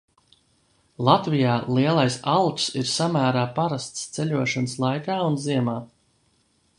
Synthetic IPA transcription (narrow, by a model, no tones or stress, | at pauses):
lˠat̪vijaːlˠiɛlˠajsalˠt̪siɾsamæːɾaːpaɾast̪st̪sɛʎʲuɔʃɔnslˠajkaːunziɛmaː